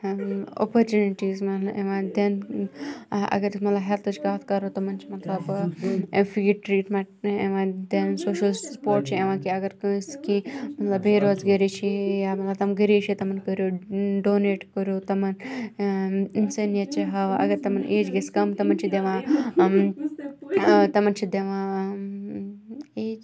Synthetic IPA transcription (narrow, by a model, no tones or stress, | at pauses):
o̰poɾt͡ʃuniʈiːzmɐt̪lɐeʋãːnd̪ɐn | ʔɐ̰ɡɐɾmɐt̪lɐbɦɛlt̪ʰɐt͡ʃkɐt̪ʰkɐɾot̪ɐmɐnt͡ʃʰimɐt̪lɐb | fʰiɡʈʈːɾiːʈmeɳʈeʋãnd̪ensoːʃɐlpoːɾʈ̚t͡ʃʰieʋãːkiɐɡɐɾkɐskimɐt̪lɐbːeːɾoːzɡɐɾet͡ʃʰijaːmɐt̪lɐbt̪ɐmɡəɾeːt͡ʃʰit̪ɐmɐnkəɾjoːɖoːneːʈkəɾjoːt̪ɐmɐn | insɐnjɐt͡ʃʰiɦɐʋɐ̰ɡɐɾt̪ɐmɐnʔeːd͡ʒɡɐskɐmt̪ɐmɐnt͡ʃʰid̪eʋãː | t̪ɐmɐnt͡ʃʰid̪eʋãː | eːd͡ʒ